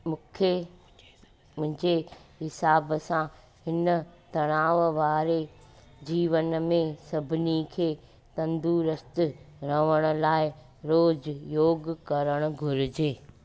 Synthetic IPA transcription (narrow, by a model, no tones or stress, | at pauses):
mʊ̃kʰe | mʊ̃ɦɪ̃ɲd͡ʑeɦɪsaːbsã | hɪnət̪ɐɽ̃aːʋʋaːɾe | d͡ʑiːʋənmẽsɐbʱɪnikʰeː | t̪ɐ̃nd̪uɾəst̪ɪɾɐʋəɽ̃ʊ̆laːɪ | ɾoːd͡ʑjoːɡkɐɾəɽ̃ʊ̆ɡʱʊɾɪd͡ʑeː